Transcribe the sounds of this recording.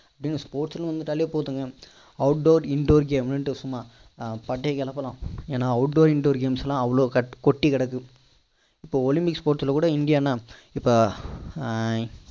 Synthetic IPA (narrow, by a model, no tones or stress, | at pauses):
ɐpːɐɽɪnːɯspoːʈsɪlɐ̃ʋɐnd̪ɯt̪ɐlɪjeːpoːt̪ɯŋɡɐ | ɐʊʈ̚ɖoːɾɪɳɖoːɾɡeːmnɐʈːɯsʊmːaː | pɐʈːeːkɛlɐpːɐlãːeːnaːɐʋʊʈɖoːɾɪɳɖoːɾɡeːmsɛlãːɐʋɐɭoːkkɔʈːikɐɽɐkːɯ | ɪpːoːɔlɪmpɪkspoːʈsɪlɐkuːɽɐɪɳɖɪjaːnaːɪpːoː